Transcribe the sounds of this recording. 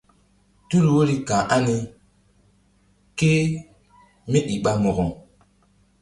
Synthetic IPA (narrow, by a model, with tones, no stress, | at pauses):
tu˦ɾwo˦li˦kã˨ʔa˦ni˦ | ke˦ | mi˦ɗi˨ɓa˦mɔ˨ɣɔ˨ŋ